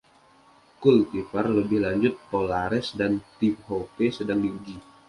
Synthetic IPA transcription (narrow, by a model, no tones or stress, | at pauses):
kult̪ifərləbɪhlaɲd͡ʒʊt̪̚polaɾɛsdant̪ip̚hopesədaŋdiud͡ʒi